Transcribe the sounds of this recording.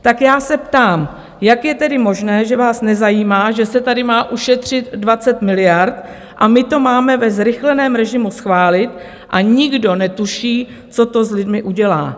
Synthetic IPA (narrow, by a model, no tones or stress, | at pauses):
t̪akjaːsɛpt̪aːm | jakjɛt̪ɛdɪmo̞ʒnɛːʒɛvaːsnɛzajiːmaːʒɛsɛt̪adɪmaːʔuʃɛt̪r̝̥ɪt̪dvat͡sɛt̪mɪlɪjaɾt̪ | ʔamɪt̪o̞maːmɛvɛzɾɪxlɛnɛːmɾɛʒɪmusxvaːlɪt̪ | ʔaɲɪɡdo̞nɛt̪uʃiː | t͡so̞t̪o̞zlɪdmɪʔuɟɛla̰ː